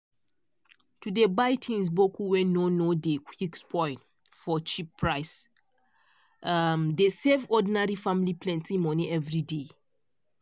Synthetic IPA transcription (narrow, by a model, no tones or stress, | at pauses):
tudebaɪtʰĩns̬bokuwɛ̃nonodekʰikspʰɔ̃ɪ̃nt | fɔt͡ʃipʰːɹaɪs | amdesevɔdĩnaɹifãmilipʰlɛ̃ntʰĩmɔ̃nĩʔɛvɹide